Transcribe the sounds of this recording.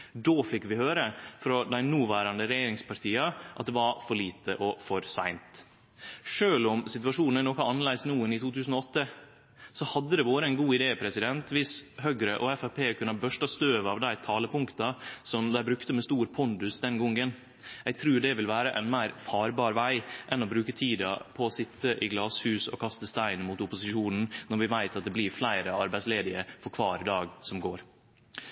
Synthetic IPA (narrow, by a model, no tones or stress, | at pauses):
d̪oːfɪkːʋɪhøːɾəfɾɔd̪æɪnuːʋæːɾɑnd̪əɾɛjeːɾɪŋspʰɑɾʈ̪ʰiːɑʔɑ̰t̪̚d̪ɛʋɑɾfɔɭiːt̪ʰəʔɔfɔɾsæɪnt̪ | ʂøːlɔmsɪt̪ʉʋɑʂuːnnənɔːkɑɑnːlæɪsnuːənɪt̪ʰuːt̪ʰʉːsn̩ɔɔt̪ːə | sɔhɑd̪ːəd̪ɛʋoːɾəɛɪnɡuːɪd̪eːpʰɾɛsɪd̪ɛnt̪ʋɪshœɡɾəʔɔɛfæpʰeːkʰʉnːɑbœʂʈɑst̪øːʋɑʋd̪æɪt̪ʰɑːləpʊŋkt̪ɑsɔmd̪æɪbɾʉkt̪əmɛst̪uːɾpʰʊnd̪ʉsd̪ɛnɡɔŋːən | æɪɡ̚t̪ʰɾʉːɖɛʋɪlʋæːɾəʔɛ̰nmæɪɾfɑːɾbɑːɾʋæɪʔɛnɔbɾʉːkət̪ʰiːd̪ɑ̰pʰɔːsɪt̪ʰːəʔɪɡlɑːshʉːsɔ̰kʰɑst̪əst̪æɪnmuːt̪ʊpʊsɪʃuːnn̩nɔɾʋɪʋæɪt̪ɑt̪̚d̪ɛblɪɾflæɪɾəɑɾbæɪtsleːd̪ɪəfɔɾkʰʋɑːɾɪd̪ɑːɡsɔmɡoːɾ